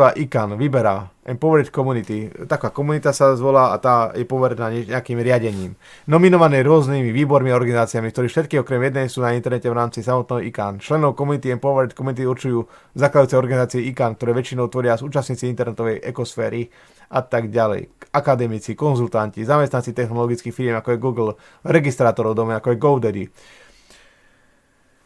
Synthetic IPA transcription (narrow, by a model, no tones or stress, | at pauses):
aːʔikanʋibɛɾaːʔɛmpɔʋɾɛt̪kɔmunit̪it̪akaːkɔmunit̪asazʋɔlaːa̰t̪aːjɛpɔʋɛɾɛnaːɲɛɲɛakiːmɾɪaɟɛɲḭːm | nɔminɔʋanɛːɾʊɔznimiʋiːbɔɾmiaɔɾɡanizaːt͡siamikt̪ɔɾiːfʃɛt̪̚kiːɔkɾɛmjɛd̪nɛjsuːnaint̪ɛɾnɛcɛʋɾaːmt͡sisamɔt̪nɛːɦɔika̰ːnt͡ʃlɛnɔʊkɔmunit̪iɛmpɔʋɾɛt̪kɔmunit̪iuɾt͡ʃujuː | zaklad̪juːt͡sɛɔɾɡanizaːt͡siɛikaːnkt̪ɔɾɛːʋɛt͡ʃinɔʊt̪ʋɔɾɪasuːt͡ʃast̪ɲiːt͡siint̪ɛɾnɛt̪ɔʋɛjʔɛkɔsfɛːɾi | ʔat̪aɡɟalɛ̰jakad̪ɛmit͡sikɔnzult̪ancizamɛst̪nant͡sit̪ɛxnɔlɔɡit͡skiːxfiɾɪjɛmakɔɛjɡuːɡl̩ | ɾɛɡist̪ɾaːt̪ɔɾɔʊd̪ɔmɛakɔajɡɔʊd̪ɛd̪ḭ